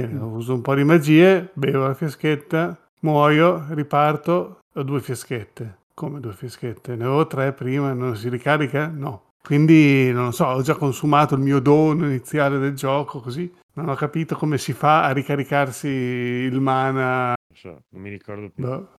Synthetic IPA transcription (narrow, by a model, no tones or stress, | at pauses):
nɔuːzoumpɔd̪imad͡ʒiːebeːvolafjasket̪ːa | mwɔːjoripart̪o | ad̪uːefjasket̪ːe | komed̪uefjasket̪ːenevɔvot̪ɾɛpːɾiːmanons̬iɾikaːɾikanɔ | kwind̪inonlːosɔɔd͡ʒakːonsumaːt̪oilmiːod̪oːnoinit̪sːjaːled̪eld͡ʒɔːkokozi | nonɔkːapiːt̪okomesifaːɾikaɾikarsiːlmaːna | sɔ̰nmːiɾikɔrd̪obɛ